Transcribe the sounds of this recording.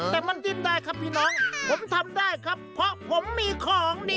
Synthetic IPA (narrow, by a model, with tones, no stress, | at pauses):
t̪ɛː˨˩ma˧˥nzi˧˩ndaː˧˩jkʰa˦˥pʰːiː˥˩nɔː˦˥˩ŋpʰo˩˦mt̪ʰa˧mdaː˥˩jkʰa˦˥pʰːɾɔ˦˥pʰo˨˩˦mːiː˧kʰɔː˨˩˦ŋniː˦˧˩